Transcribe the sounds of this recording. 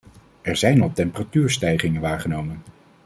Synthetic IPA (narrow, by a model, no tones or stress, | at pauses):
ɛɹzɛjnɑlˠtɛmpəratyːɹstɛjχɪŋənʋaːɹχənowmən